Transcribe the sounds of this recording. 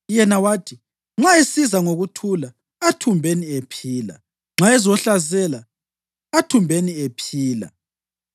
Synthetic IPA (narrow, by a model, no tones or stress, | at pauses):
jɛnawaːtʰi | ŋ͡ǁaesizaŋoɣutʰulaː | tʰumbʱeniepʰiːla̰ | ŋ͡ǁaɛzɔɬazɛla | atʰumbʱeniepʰiːla̰